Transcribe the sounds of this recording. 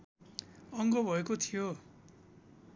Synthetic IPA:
ʌŋɡobʱʌekot̪ʰijo

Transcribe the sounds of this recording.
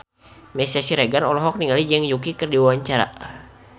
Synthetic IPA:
mɛsasiɾeɡanɔlɔɦɔk̚niŋalid͡ʒɛŋjukikɨrdiwawaɲt͡ʃaɾa̰

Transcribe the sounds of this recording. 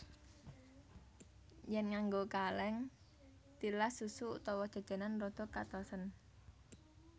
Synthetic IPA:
jɛnŋaŋɡokalɛŋ | t̪ilasusut̪ɔwɔd̥ʒ̥a̤̥d͡ʒ̥a̤nanrɔd̪̥o̤kat̪ɔsən

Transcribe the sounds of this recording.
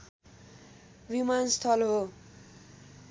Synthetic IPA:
wimanst̪ʰʌlɦo

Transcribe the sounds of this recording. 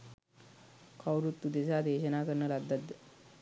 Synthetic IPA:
kʰawɾut̪ːud̪esad̪eɕənakəɾnəlad̪ad̪

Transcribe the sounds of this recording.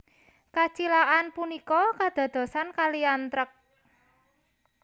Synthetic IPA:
kat͡ʃilaʔanpunikɔkad̪̥a̤d̪̥ɔ̤sankaliant̪ɾək̚

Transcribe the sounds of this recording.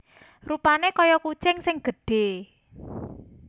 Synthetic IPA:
rupanekɔjɔkut͡ʃɪŋsɪŋɡ̥ə̤ɖ̥e̤

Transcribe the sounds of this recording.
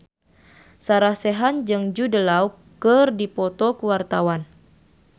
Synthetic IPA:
saɾahseɦand͡ʒɨŋd͡ʒudəlau | kɨrdipɔt̪ɔkuwart̪awan

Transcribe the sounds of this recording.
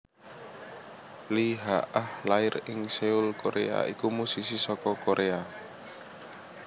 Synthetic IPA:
liɦaʔahlaɪrɪŋseulkoɾḛa̰ikumusisisɔkɔkoɾʔea

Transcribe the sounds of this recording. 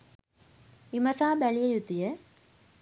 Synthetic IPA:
imɐsaːbɐɭijɐjut̪ːijɐ

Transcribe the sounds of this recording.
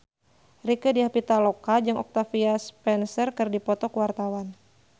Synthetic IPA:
rikədiapit̪alokad͡ʒɨŋɔk̚t̪afiaspɛnsərkɨrdipɔt̪ɔkəwart̪awan

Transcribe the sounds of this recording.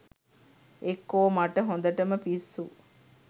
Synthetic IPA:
ekːoːmaʈəɦond̪əʈəməpisːu

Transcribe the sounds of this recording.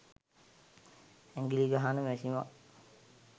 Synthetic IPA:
æŋɡiliɡaɦanəmɛsima

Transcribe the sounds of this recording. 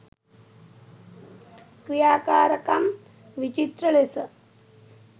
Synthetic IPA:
kɾijaːkaːɾɐkɐm | ʋit͡ʃit̪ɾɐɭesɐ

